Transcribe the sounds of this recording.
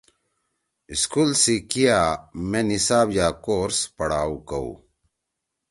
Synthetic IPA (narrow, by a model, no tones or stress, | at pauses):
iskulsikijaːmenisaːbjaːkoːɾspɐɽaːukɐṵ